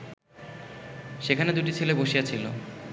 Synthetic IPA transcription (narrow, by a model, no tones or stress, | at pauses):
ʃekʰaned̪uʈit͡ɕʰeleboʃiat͡ɕʰilo